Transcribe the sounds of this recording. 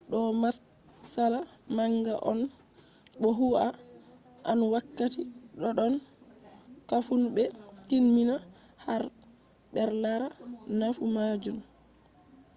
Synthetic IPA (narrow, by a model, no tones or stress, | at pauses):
ɗɔmas | sala | maŋɡaʔɔn | ɓɔɦua | ʔanwakːatiɗɔɗɔn | kafunbɛ | tinmina | haɾ | ɓɛɾlaɾanafumad͡ʒun